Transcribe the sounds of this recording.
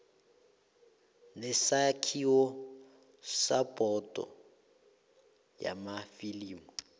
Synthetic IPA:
nɛsakʰiɔ | sapʼɔtʼɔ̰ | ja̰mafiliːmu

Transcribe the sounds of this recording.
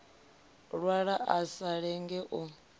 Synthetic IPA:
ɺwaɺaʔasaɺɛŋɡɛʔɔ

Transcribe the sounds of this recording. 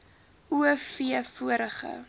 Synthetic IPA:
uəfiəfuəɾəχə̰

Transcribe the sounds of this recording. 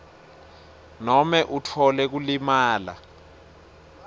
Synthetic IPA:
nɔmɛʔutʰɔlɛk̬ulimaːla̰

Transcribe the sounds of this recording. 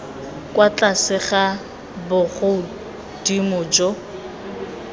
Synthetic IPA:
kʼwat͡ɬasɪχa | bʊχʊ | d̥imʊːd͡ʒɔ

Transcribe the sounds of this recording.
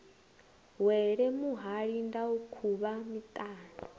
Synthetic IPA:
wɛɺɛmuɦaɺindaukʰuβamit̪ʼaːna

